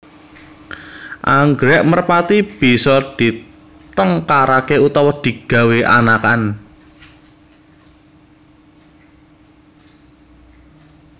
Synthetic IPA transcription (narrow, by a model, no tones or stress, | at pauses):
ʔaŋɡɾɛʔmərpat̪ib̥i̤sɔd̪̥i̤ | t̪əŋkaɾakeut̪ɔwɔd̪̥i̤ɡ̥a̤weʔa̰nakan